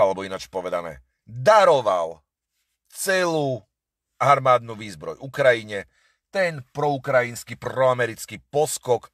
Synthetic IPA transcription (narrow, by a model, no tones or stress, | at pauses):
alɛbɔinat͡ʃpɔʋɛd̪a̰mɛ̰ | d̪aɾɔʋa̰l | t͡sɛluː | aɾmaːd̪nuʋiːzbɾɔ̰jukɾajiɲɛ | t̪ɛnpɾɔukɾajinskipɾɔamɛɾit͡skipɔskɔk